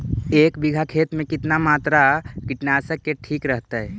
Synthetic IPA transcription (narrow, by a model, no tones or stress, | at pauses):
eːkbiɡʱakʰeːt̪mẽkɪt̪namaːt̪ɾakiʈnasəkːeʈʰiːkɾəɦt̪aɦɛ